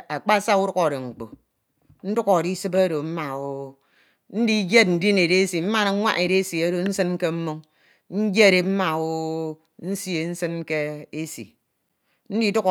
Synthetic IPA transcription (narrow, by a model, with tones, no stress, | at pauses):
a˨k͡pa˦sa˦u˦ɾu˦ko˨ɾe˨ŋ͡m̩˨k͡po˨ | n̩˦du˦kɔ˨ɾi˦sɨ˦ba˦ɾo˨m̩˦ma˨wo˦ | n̩˦di˦d͡ʒe˦t̚n̩˨di˦ne˨ɾe˦si˨m̩˦ma˦˨na˨˦ŋʷa̰˦ʔe˨ɾe˦si˨a˦ɾo˨n̩˦sɨ˦n˦ke˦m̩˦mu˦ŋ | n̩˦d͡ʒe˦˨ɾe˨m̩˦ma˨wo˦ | n̩˦sje˨n̩˦sɨ˦n˦ke˦e˦sḭ˨ | n̩˦di˦du˦k